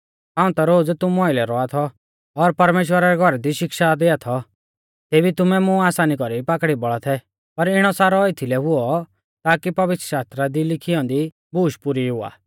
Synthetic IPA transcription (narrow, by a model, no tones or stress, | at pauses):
ɦãːʊ̃t̪aɾoːd͡zt̪ʊmɔɪlɛɾɔat̪ʰɔː | ɾpɐɾmeːʃwəɾaɾɛɡʱɔɾɛd̪iʃɪkʃad̪eat̪ʰɔ | t̪eːbit̪ʊmɛmʊ̃aːsaːnikɔɾipakɽibɔɭɔt̪ʰɛ | pɐɾɪɽ̃ɔsaːɾɔɪt̪ʰilɛɦʊɔ | t̪aːkipɐʋɪt̪ɾəʃaːst̪ɾad̪ilɪkʰijɔ̃ːnd̪i | buːʃpʊɾiɦʊa̰ː